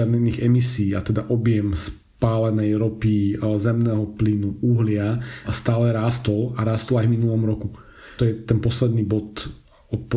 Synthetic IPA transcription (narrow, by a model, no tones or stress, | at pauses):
ad̪ɲɛniːɣɛmisiːat̪ɛd̪aʔɔbjɛms | paːlɛnɛjɾɔpizɛmnɛːɦɔplinuʔuɦlɪast̪aːlɛɾaːst̪ɔlaɾaːst̪ɔlajvminulɔmɾɔku | ɔjɛt̪ɛnpɔslɛd̪niːbɔt̪ | ɔp